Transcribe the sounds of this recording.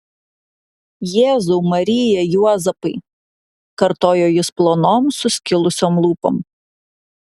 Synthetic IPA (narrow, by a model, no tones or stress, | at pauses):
jeːzuːmɐɾʲɪjɛjuɔzɐpɐɪ | kɐɾt̪oːjoːjɪsplˠoːnoːmsʊsʲkʲɪlˠʊsʲoːmlˠuːpo̰ːm